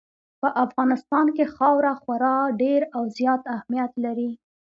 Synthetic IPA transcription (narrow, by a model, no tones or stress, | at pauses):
pəʔafɣɑnɪst̪ɑnkexɑwɾaxwaɾɑɖeɾawzjɑt̪ahmijat̪laɾi